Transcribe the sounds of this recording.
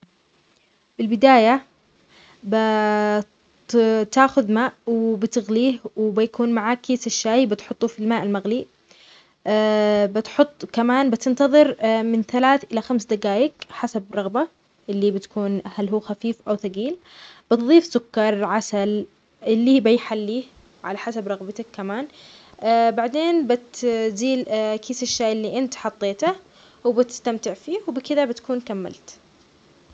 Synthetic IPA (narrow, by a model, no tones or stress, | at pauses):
bɪlbɪd̪aːja | ba | t̪aːxʊðmaːʔwɪbɪt̪ɪɣliːhwbɪjakuːnmaʕaːkːeːsaʃːaːjbɪt̪ħʊt̪ˤːufilmaːʔɪlmaɣli | bɪt̪ħʊt̪ˤːkamaːnbɪt̪ɪnt̪ɑðˤɨɾmɪnθalaːθʔɪlaxamsd̪aɡaːjɪkħasabɾˤɑɣba | ʔɪlːiːbɪt̪kuːnhalɦuːxafiːfʔawθaɡiːl | b̥ɪt̪ðˤiːfsʊkːɑɾˤʕasal | ʔɪlːiːbajħalːiː | ʕa̰laħasabɾˤɑɣbɪt̪akːamaːn | baʕd̪eːnbɪt̪ziːlkiːsaʃːaːʔɪlːiʔɪnt̪ħɑt̪ˤːeːt̪a | wɪbɪt̪ɪ̥st̪amt̪ɪʕfiːhwbɪkɪðabɪt̪kuːnkamːa̰lt̪